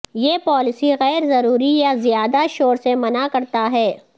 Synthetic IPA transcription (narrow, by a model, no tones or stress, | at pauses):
jeːpɔːlɪsiɣɛːɾzɐɾuːɾijazɪjaːd̪aʃoːɾsemɐnakɐɾt̪aɦɛː